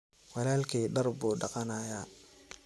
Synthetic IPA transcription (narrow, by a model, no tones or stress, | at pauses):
wɑlaːlkʰiːɖɐrbuːɖɑqɑnaːjaː